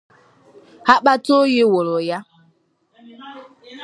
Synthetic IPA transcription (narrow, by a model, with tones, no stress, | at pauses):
ha˦ɓa˦to˦je˦wo˨ɾo˨ja˦